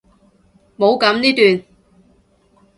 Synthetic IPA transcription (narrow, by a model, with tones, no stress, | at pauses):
mo˨˧wkɐ˨˧˥mniː˥t̪yː˨n